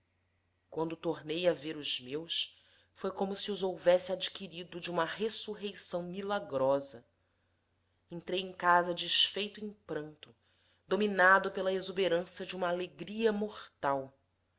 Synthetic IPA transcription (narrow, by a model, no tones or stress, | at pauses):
kwɐ̃nd̪ʊt̪oɾnejɐveɾʊz̥mews | fojkõmʊsiuzowvɛsɪad͡ʒikiɾid̪ʊd͡ʒɪũmɐɦesuɦejsɐ̃w̃milaɡɾɔzɐ | ẽnt̪ɾejẽkazɐd͡ʒiʃfejt̪ʊẽj̃pɾɐ̃nt̪ʊ | d̪ominad̪ʊpelɐezubeɾɐ̃sɐd͡ʒɪũmɐaːleɡɾiɐmoχt̪aw